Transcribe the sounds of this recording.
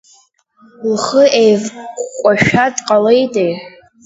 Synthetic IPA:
lχəʔejvʷkʷʼaʃᶣadʼqʼalejtʼej

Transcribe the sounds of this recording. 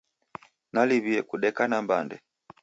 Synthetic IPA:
naliβiɛkuɗɛkanambandɛ

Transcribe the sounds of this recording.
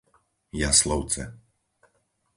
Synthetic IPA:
jaslɔʊt͡sɛ̰

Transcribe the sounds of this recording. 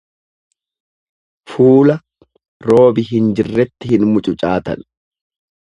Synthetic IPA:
fuːlɐ | ɾo̞ːbɪɦɪnd͡ʒɪrːɛt̪ːɪhɪnmʊt͡ʃʼʊt͡ʃʼaːt̪ɐ̰n

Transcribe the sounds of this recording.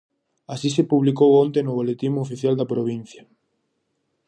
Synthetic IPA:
asisepuβlikowõnt̪enʊβolet̪imoːfiθjald̪ɐpɾoβ̞in̟θja

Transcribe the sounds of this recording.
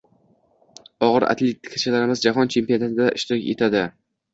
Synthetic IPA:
ɒʁɨɾa̰t̪ʰlʲet̪ʰːɪ̥kʰat͡ʃʰɪlaɾɪmɪzd͡ʒaɦɒnt͡ʃʰe̞mpijonat̪ʰɪd̪aʔɪʃt̪ɪɾɪkʲet̪ʰad̪ɪ

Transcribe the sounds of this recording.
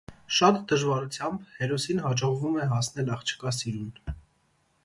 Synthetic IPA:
ʃɑt̪d̪əʒvɑɾut͡sʰjɑmbhɛɾɔsinɦɑd͡ʒɔʁvumɛɦɑsnɛlɑχt͡ʃʰə̥kɑsiɾun

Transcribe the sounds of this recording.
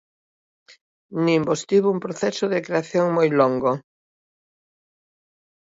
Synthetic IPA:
nĩmbost̪iβʊumpɾoθɛsoðɪkɾeaθjoŋmojloŋɡo

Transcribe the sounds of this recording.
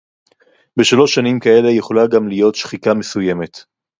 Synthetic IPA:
be̞ʃalo̞ʃːanimkae̞le̞jeχo̞laɡamlijo̞tʃχitamesuje̞me̞t

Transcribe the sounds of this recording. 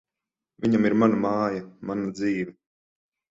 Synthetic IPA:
vʲiɲamiɾmanamaːjamanad̪ziːvɛ

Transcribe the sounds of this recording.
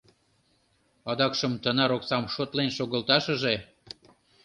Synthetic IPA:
ɑd̪ɑkʃəmt̪ənɑɾoksɑmʃot̪lenʃoɣəlt̪ɑʃə̆ʒe

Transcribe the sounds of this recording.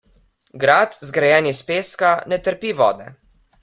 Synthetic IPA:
ɡɾat̪zɡɾajɛːnispeːskanɛt̪əɾpiʋɔːd̪ɛ̰

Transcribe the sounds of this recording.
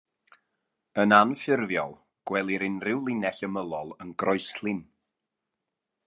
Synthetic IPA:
ənanfɪrvjɔlˠ | ɡ̥wɛlˠiɾɪnrɪwlˠɪnɛɬəməlˠɔlˠənɡrɔɨslˠɪn

